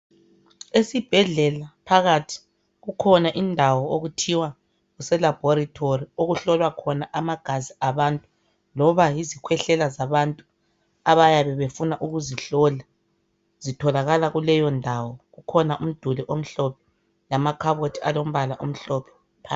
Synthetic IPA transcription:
esib̥ʱɛɮɛlapʰaɣatʰi̥ | ɣukʰɔnaʔindʱawɔoɣutʰiwa | ɣusɛlab̥ʱɔɾitʰorioɣuɬɔlwakʰɔnaʔamaɡ̥ʱaziaβaːntʼu | lɔβajizikʰwɛɬɛlazaβantʼu | aβajaβɛβefunaʔuɣuziɬɔla | z̥itʰɔlaɣalaɣulɛjɔndʱawɔɣukʰɔnaʔum̩d̥ʱuliʔom̩ɬɔpʰɛ̥ | lamakʰaβotʰialom̩βalaʔom̩ɬɔpʰɛ̥ | pʰa

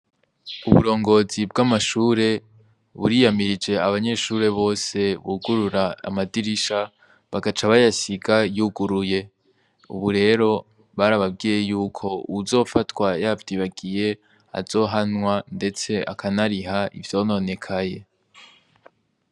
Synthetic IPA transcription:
uβṵɾo̞ːŋɡo̞zibɡamaʃuːɾe̞ | βṵɾiːjamiɾid͡ʒe̞aβaɲe̞ʃuːɾe̞βo̞ːse̞βuɡuɾuɾa̰ːmadiɾiʃa | βaɡat͡ʃaβajasiɡajuɡuɾuje̞ | ṵβuɾe̞ːɾo̞ | βaɾaβabɡiːje̞juːkʰo̞̰uzo̞ːfatwajavdiːβaɡije̞ | a̰zo̞ːɦanwande̞t͡se̞ʔa̰kʰanaɾiɦaʔḭvjo̞ːno̞ne̞kʰaje̞

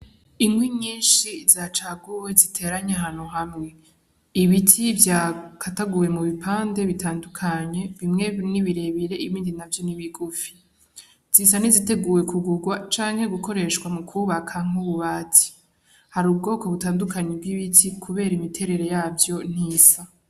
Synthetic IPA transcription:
iŋwiɲiːnʃizat͡ʃaɡuwe̞zitʰe̞ɾaɲaɦaːn̥huɦamŋe̞ | iβitʰivjakʰataɡuwe̞muβipʰaːnde̞βitaːndukʰaɲe̞βimŋe̞niβiɾe̞βiɾe̞iβiːndinavjoniβiɡufi̥ | z̥isanizite̞ɡuːwe̞kʰuɡuɡwat͡ʃaːŋ̥he̞ɡuko̞ɾe̞ʃkwamukʰuβakʰaŋ̥uβuβaːti̥ | haɾuːb̚ɡo̞ːko̞βutaːndukʰaɲeb̚ɡiβitʰikʰuβe̞ːɾaimitʰe̞ɾe̞ɾe̞jaːvjo̞n̥iːsa

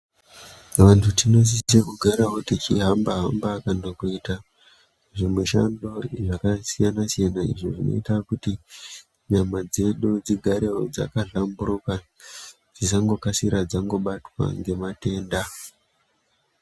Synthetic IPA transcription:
ʋantʰutino̞s̬isekuɡʱaɾaɦotit͡ʃiɦambaɦambaːkandokuita | ʐimweʃa̰ndo̞iʐakasijanasijanaḭʐoʐino̞̰itakuti | ɲamad͡ze̞ɗud͡ziɡʱaɾeod͡za̰kaɮamburoka | d͡zis̬aŋɡo̞kasiɾad͡zaŋɡo̞ɓatwa̰ŋɡe̞mate̞ːnda

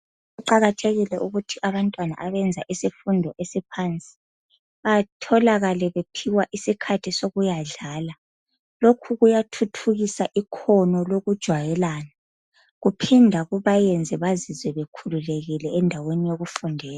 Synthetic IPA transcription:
ɣuǃaɣatʰeɣilɛʔuɣutʰiʔaβantʼwana̰ʔaβɛnd͡zʱa̰ʔisifundʱɔʔesipʰant͡sʼi̥ | latʰɔlaɣalɛβepʰiwaʔisikʰatʰisoɣujaɮaːla | lokʰuɣujatʰutʰuɣisaʔikʰɔnɔloɣud̥ʒ̥ʱwajɛlaːna | ɣupʰindʱaɣuβajɛnd͡zʱɛβazizɛβekʰululeɣilɛːndʱawenijoɣufundʱɛːla

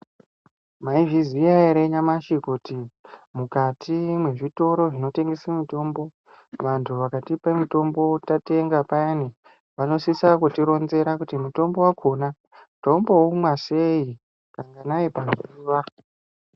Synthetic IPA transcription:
maiviziaeɾeɲamaʃikutimukatʰimwe̞ʐito̞ɾo̞ʐino̞te̞ŋɡesamito̞ːmbo̞ | ʋantʰuʋakatipemito̞mbo̞tate̞ŋɡapajani | ʋano̞sisakwutiɾo̞nze̞ɾakutimuto̞mbo̞wakʰona | muto̞mbo̞umwase̞i | kaŋɡanaipaziːʋa

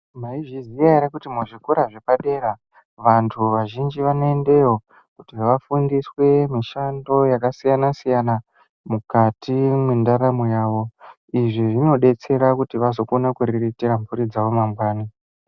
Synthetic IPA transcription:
maiʐizijaiɾakutimuʐikuɾaʐe̞paɗe̞ːɾa | ʋantʰuʋaʒind͡ʒiʋanoende̞wo̞ | kutiʋafundiswe̞miʃando̞jakasijanasijana | mukatimwendaɾamujaːʋo̞ | iʐiʐino̞ɗe̞t͡se̞ɾakutiʋazo̞konakuɾiritirampuɾid͡zaʋo̞mamɡwaːni

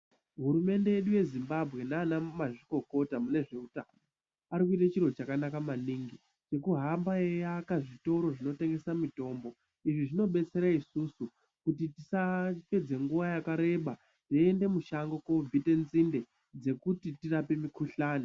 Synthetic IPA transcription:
ɦuɾume̞nde̞je̞ɗuje̞zimbabʱɣe̞naːnamaʐiko̞ko̞tamune̞ʐe̞utano | aɾik̬uitat͡ʃirot͡ʃakanakamaniːŋɡi | t͡ʃe̞kuɦambaejakaʐito̞ɾo̞ʐino̞te̞ŋɡe̞samito̞ːmbo̞ | iʐiʐino̞ɓe̞t͡se̞ɾaisusu | kutitisape̞d͡ze̞ŋɡuʋajakaɾe̞ɓa | tiende̞muʃaŋɡo̞ko̞vʱite̞nzinde̞ | d͡ze̞kutitirape̞mikuɬaːni

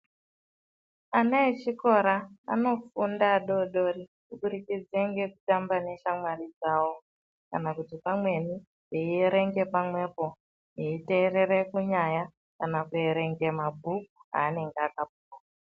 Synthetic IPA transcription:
anaet͡ʃiko̞ɾa̰ːno̞fundaɗo̞ɗorikuɓuɾikid͡zeŋɡe̞kutambane̞ʃamwarid͡zawo̞ | ka̰nakutipamwe̞ni | jeieɾe̞ŋɡe̞pamwe̞po̞ | jeite̞ːre̞ɾekuɲaja | kanakueɾe̞ŋɡe̞mabʱukuɦa̰ːne̞ŋɡeakap̚uwa

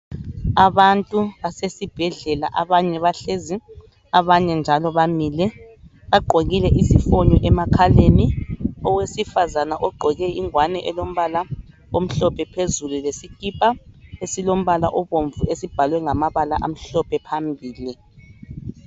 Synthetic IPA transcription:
aβantʼuβasesib̥ʱɛɮɛla̰ʔaβaɲɛβaɬezi | aβaɲɛnd͡ʒʱalɔβamiːlɛ | βaɡ͡ǃʱoɣilɛʔisifoɲɔʔɛmakʰaleniɔwesifazanaʔɔɡ͡ǃʱɔɣɛiŋwanɛʔɛlom̩βala | om̩ɬɔpʰʼɛpʰezululesikʼipʼaesilom̩βalaʔɔβoɱvuesib̥ʱalwɛŋamaβalaʔam̩ɬɔpʰʼɛpʰambʱiːli

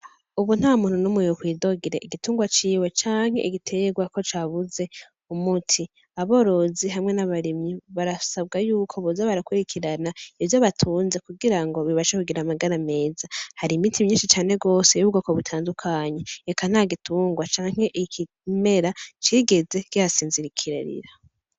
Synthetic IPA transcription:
uβun̥haːmuːn̥unomujohwiːdo̞ɡiɾḛʔiɡituːŋɡwat͡ʃiːwe̞t͡ʃaːŋ̥he̞iɡitʰe̞ɡwako̞t͡ʃaβuze̞ | umutʰi | aβo̞ɾo̞ziɦamŋe̞naβaɾimɲiβaɾasab̚ɡajuːkʰo̞βozaβaɾakwuɾikʰiɾanaivjoβatʰuːnze̞kuɡiɾaŋɡo̞βiβaʃekuɡiɾamaɡaɾame̞ːzahaɾiːmitʰimɲiːnʃit͡ʃaːne̞ɡo̞ːseuuɡakoβutʰaːndukʰaɲe̞ːkan̥haɡitʰuːŋɡwat͡ʃaːŋ̥he̞ʔkʰi | me̞ɾat͡ʃiːɡe̞ze̞kjaasiːnziɾikʰiɾa̰ɾḭɾa

